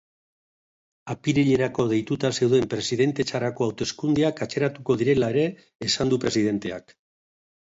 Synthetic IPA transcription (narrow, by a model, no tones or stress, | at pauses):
apiɾiʎe̞ɾako̞ð̞e̞jt̪ut̪ase̞wðe̞mpɾe̞siðe̞nt̪e̞t͡ʃaɾako̞awt̪oeskund̪eakat͡ʃe̞ɾat̪uko̞ðiɾe̞lae̞ɾe̞ː | sand̪upɾe̞sið̞e̞nt̪e̞a̰k